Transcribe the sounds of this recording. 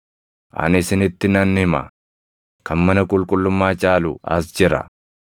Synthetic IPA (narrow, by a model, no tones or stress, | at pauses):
ʔɐ̰nɪsɪnɪt̪ːɪnɐnːhɪmɐ̰ | kɐnmɐnɐkʼʊlkʼʊlːʊmːaːt͡ʃʼaːlʊɐ̰sd͡ʒɪɾɐ̰